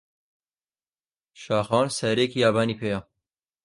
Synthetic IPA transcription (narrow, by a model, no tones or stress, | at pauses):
ʃɑːxɑːnsɛɾekʰijaːbaːnipʰeːja